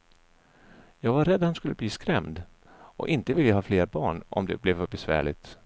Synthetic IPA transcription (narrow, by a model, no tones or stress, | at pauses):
jɑːɡvaɾːɛd̪ːhanskɵlːəbliːskɾɛmd̪ | ʔɔ̰ʔɪnt̪əvɪljəɦɑːfleːɾbɑːɳɔ̰md̪ɛ̰blɛvfœɾbɛsvæ̰ːɭɪ̰ɡt̪